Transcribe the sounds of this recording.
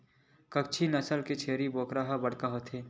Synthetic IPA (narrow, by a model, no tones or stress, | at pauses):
kɐkt͡ʃʰinɐsəlket͡ʃʰeːɾiboːkɾaɦabɐɽkaɦoːt̪ʰeː